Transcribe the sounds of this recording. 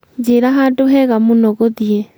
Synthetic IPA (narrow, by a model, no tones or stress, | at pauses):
d͡ʒeɾaɦadoɦɛɣamunɔɣoðiɛ